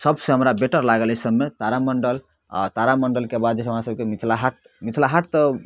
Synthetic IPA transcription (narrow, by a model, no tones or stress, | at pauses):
səbsẽɦəmɾabeʈəɾlaɡəlɦesəbːet̪aɾaməɳɖəl | a̰t̪aɾaməɳɖəlkebad̪̚d͡ʒeɦəmɾasəb̚kemit̪ʰlaɦaʈ̚ | mit̪ʰlaɦaʈt̪ə